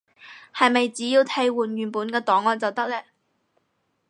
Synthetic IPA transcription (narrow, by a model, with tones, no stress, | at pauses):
hɐ˨jmɐ˨jt͡siː˨˥jiː˧wt̪ʰɐ˧˥jwuː˨njyː˨npuː˨˥nkɛː˧t̪ɔː˨˥ŋɔː˧nt͡sɐ˨wt̪ɐ˥k̚lɛː˥